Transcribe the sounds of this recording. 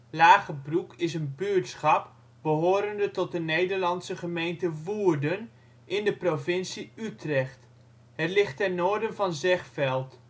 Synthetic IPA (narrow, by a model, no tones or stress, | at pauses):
laːχəbrukɪs̬ənbyɹtsχɑp | b̥əɦoːɾəndətɔt̚dənejdəɹlɑnsəχəmejntəʋuːɹdən | ʔɪndəprovɪnsiytrɛχt | hɛtlɪχtːɛrnoːɹdənvɑnzɛχfɛlˠt